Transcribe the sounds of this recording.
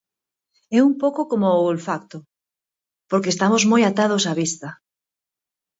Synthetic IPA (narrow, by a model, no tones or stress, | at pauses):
ɛumpowkokomolfakt̪ʊ | poɾkeːst̪amozmojat̪að̞osaβist̪ɐ